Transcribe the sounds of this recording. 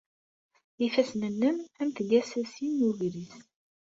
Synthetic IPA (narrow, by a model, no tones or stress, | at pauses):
ifæsnənːəmæmt̪əʝæsæsinjuʝɾis